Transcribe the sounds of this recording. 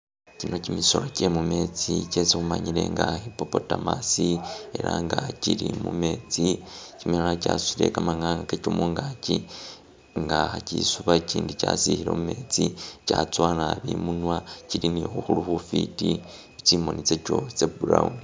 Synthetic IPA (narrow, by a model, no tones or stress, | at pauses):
cino̞cimiso̞locemume̞t͡sicesexumaɲiɾe̞ŋɡahipo̞po̞tamasieɾa̰ŋɡaciɾimume̞t͡sicimialacasu̥iɾe̞̰kamaŋaakecomuːŋɡaci | ŋɡaacisuβaciːndica̰sihiɾe̞̰mume̞t͡sicat͡swalaβimunwaciɾinixuxuluxufiti | ut͡ʃimo̞nit͡seco̞sebuɾau